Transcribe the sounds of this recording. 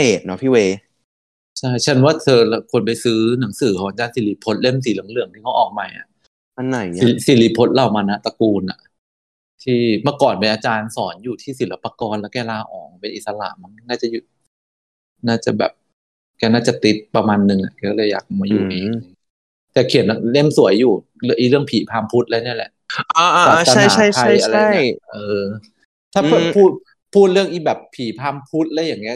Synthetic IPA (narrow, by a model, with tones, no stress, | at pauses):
heː˨˩t̪̚nɔ˦˥pʰiː˥˩weː˧ | t͡ɕʰa˥˩jt͡ɕʰa˦˥˩nwaː˥˩t̪ʰɤː˧lkʰo˧np̬a˧jsɯː˦˥na˩˦ŋsɯː˨˩˦kʰɔː˨˩˦a˧˩t͡ɕaː˧nsi˨˩˦liː˧˦˥pʰo˦˥t̪̚le˥˩ms̬iː˨˦lɯ˨˩˦ŋlɯ˨˩əŋt̪ʰiː˥˩kʰːʔɔː˨˩k̚ma˧jʔa̰˨˩ʔ | a˧nːa˨˩ji˧˩˦si˨˦liː˦˥pʰo˦˥t̪̚la˧˩wmaː˧na˦˥t̪a˧kuː˧nʔa̰˨˩ʔ | t̪ʰiː˥˩mɯ˥˩əkɔː˨˩npe˧nʔaː˧t͡ɕaː˧nsɔː˩˦njuː˨˩t̪ʰiː˥˩si˨˩˦la˧pːa˧kɔː˧nlɛː˦˥wkɛː˥˩laː˧ʔɔ̰ː˨˩ŋpe˧nʔi˨˩t̪sa˧la̰˧˩ʔma˧n˧naː˥˩t͡ɕa˨˩ju˨˩ | naː˥˩t͡ɕa˨˩bɛ̰ː˨˩p̚ | kɛː˥˩naː˥˩t͡ɕa˨˩t̪i˦˥t̪̚pɾa˧maː˧nːɯ˧˩ŋʔa̰˨˩ʔkɛː˧˩kɔː˥˩lɤː˧ja̰ː˨˩k̚maː˧juː˨˩ʔi˨˧˩ŋa˧˦ | t̪ɛː˨˩kʰi˨˩˦na˧le˥˩msu˨˩˦əjːuː˨˩ | lʔiː˨˩lɯ˥˩əŋpʰiː˨˦pʰaː˧mpʰu˦˥t̪̚laː˧˥˧ni˥˩ɐlɛ̰˨˩ʔʔaː˧ʔːaː˨˧a˥˩˨a˥˩jt͡ɕʰa˦a˥ja˧ɾaa˥˩i˩˦jʔɤː˧ | t̪ʰaː˥˩pɤː˨˩˦pʰuː˥˩t̪̚ | pʰuː˥˩t̪̚ɾɯ˥˩əŋʔi˨˩bɛː˨˩pʰiː˨˩˦pʰaː˧mpʰu˦˥t̪̚laː˧˥jaː˨˩ŋːi˦˥